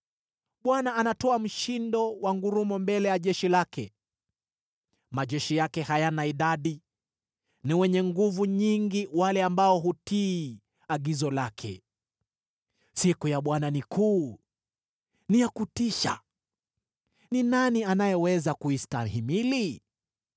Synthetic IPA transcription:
ɓwanaːnatɔam̩ʃindɔwaŋɡuɾumɔmbɛlɛjaʄɛʃilakʰɛ | maʄɛʃijakɛhajanaiɗaɗi | niwɛɲɛŋɡuvuɲiŋɡiwalɛambaɔɦutiː | aɡizɔlakʰɛ̰ | sikujaɓwananikuː | nijakutiʃa̰ | ninanianajɛwɛzakuistaɦimili

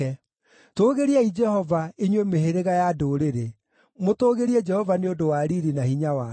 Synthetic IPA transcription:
ɛ | toːɣeɾiaid͡ʒɛhɔvaeɲwemeheɾeɣajadoːɾeɾe | motoːɣeɾiɛd͡ʒɛhɔvaneodowaɾiɾinahiɲawa

